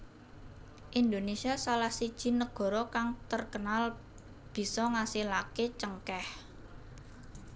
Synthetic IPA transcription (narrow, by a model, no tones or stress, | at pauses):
ʔind̪onesiasalahsid̥ʒ̥i̤nəɡ̥ɔ̤ɾɔkaŋt̪ərkənal | b̥i̤sɔŋasihlaket͡ʃəŋkɛh